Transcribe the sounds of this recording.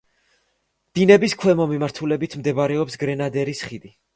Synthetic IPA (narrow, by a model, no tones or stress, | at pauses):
d̪̥inɛbiskʰwɛmɔmimaɾt̪ʰulɛbit̪ʰmd̪ɛbaɾɛɔpsɡɾɛnad̪ɛɾisχid̪i